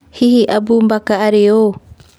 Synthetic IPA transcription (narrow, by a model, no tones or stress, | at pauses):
hiɦiʔabumbakaʔːɾeo